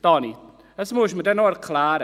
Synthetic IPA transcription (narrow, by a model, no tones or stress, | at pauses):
d̥ɔni | əsmujʃmədɛnɔərkʰlˠaɾ